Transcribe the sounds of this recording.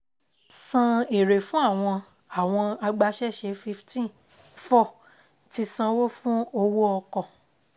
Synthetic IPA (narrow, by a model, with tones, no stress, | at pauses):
sã˧e˨ɾe˨fũ˦a˦˨w̃ɔ̃˧ | a˨w̃ɔ̃˧a˧ɡ͡ba˧ʃɛ˦ʃɛ˧˦fi˧ftĩ˦˨ | fɔ˦˨ | ti˧sã˧wo˦fũ˦o˧wo˦ɔ˧kɔ̃˨